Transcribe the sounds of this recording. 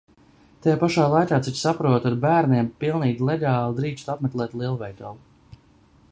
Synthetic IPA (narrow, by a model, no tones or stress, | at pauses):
t̪ajaːpaʃaːlˠajkaːt̪sit͡ʃsapɾuɔt̪aɾbæːɾniɛmpilˠniːɡʲilˠeɡɑːlˠid̪ɾiːt͡ʃt̪apmɛk̪lˠɛːt̪lˠiɛlˠuvɛjt̪ɔlˠu